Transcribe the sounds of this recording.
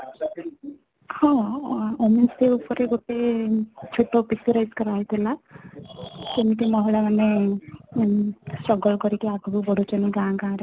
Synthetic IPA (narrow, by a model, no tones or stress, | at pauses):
hɔ̃ominseupɔɾeɡot̪et͡ʃʰuʈːɔpit̪iɾajskɔɾaɦit̪ʰela | kemit̪emɔɦɔɭamane | sɔɡɔɭkɔɾikeaɡɔbubɔɽot͡ʃɔniɡãɡãɾe